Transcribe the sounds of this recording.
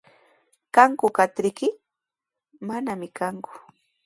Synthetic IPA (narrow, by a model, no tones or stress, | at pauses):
kaŋkʊkat̪ɾɪkɪ | manamɪkaŋkʊ̥